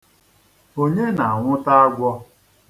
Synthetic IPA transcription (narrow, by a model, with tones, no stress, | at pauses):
o˦ɲe˦na˨a˨ŋʷʊ˦ta˦a˦ɡʷɔ˦